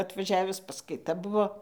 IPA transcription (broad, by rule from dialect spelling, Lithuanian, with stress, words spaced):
ɐtʋɐˈʒʲæːʋʲɪs pɐskɐɪˈtɐ ˈbʊʋoː